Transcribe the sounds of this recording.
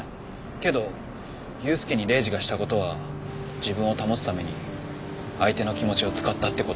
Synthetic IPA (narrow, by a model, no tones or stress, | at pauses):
ke̞d̪o̞ | jɯ̟ːsɨ̥keɲ̟iɾe̞ːʑiɡaɕi̥t̪ako̞t̪o̞β̞ad͡ʑibɯ̟̃ɰ̃o̞t̪amo̞sɨ̥t̪ame̞ɲ̟i | ait̪e̞no̞kʲimo̞t͡ɕio̞t͡sɨ̥kat̪ːat̪ːe̞ko